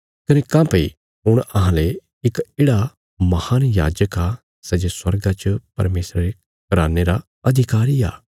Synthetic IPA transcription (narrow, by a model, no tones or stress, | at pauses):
kɐnekãːpɐi | ɦʊɽ̃ɐɦãːle | ɪkeːɽa | mɐhaːnja̰ːd͡ʒəka | sɛːd͡ʒeswɐɾɡãt͡ʃəpɐ̰ɾmeːsɾaɾe | kɐɾa̰ːneɾa | ɐd̪ʱɪkaːɾija̰ː